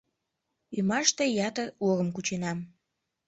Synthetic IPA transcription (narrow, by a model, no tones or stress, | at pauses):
ymɑʃt̪ejɑt̪əuɣəmkut͡ɕenɑm